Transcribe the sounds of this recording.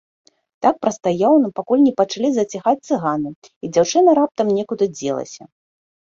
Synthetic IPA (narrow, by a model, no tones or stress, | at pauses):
t̪ak̚pɾɐst̪ajawnɐpakulʲnʲɛpɐt͡ʂalʲizɐt͡sʲaxat͡sʲt̪sɨɣanɨ | id͡zʲawt͡ʂɨnɐɾap̚t̪ɐmnʲɛkud̪ɨd͡zʲɛlˠɐ̰sʲɐ̰